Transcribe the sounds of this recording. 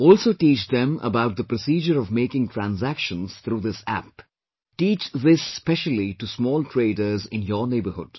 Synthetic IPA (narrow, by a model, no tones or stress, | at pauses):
ɔːlsoːʈiːt͡ʃd̪ɛ̃mə̰baʊʈ̚d̪əpɾɔsiːd͡ʒəɾɔvmeːkɪ̃ŋʈʰɾæ̃nzækʃə̃nz̥t̪ʰɾuːd̪ɪsæ̰p | ʈiːt͡ʃðɪsːpɛʃəliʈusmɔːlʈʰɾeːɖəɾzɪ̰̃njəneːbəhʊ̰ɖ̥